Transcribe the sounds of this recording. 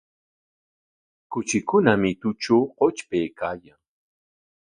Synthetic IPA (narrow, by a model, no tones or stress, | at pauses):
kʊt͡ʃɪkʊnamɪt̪ʊt͡ʃoːqot͡ʃpejkaːjaŋ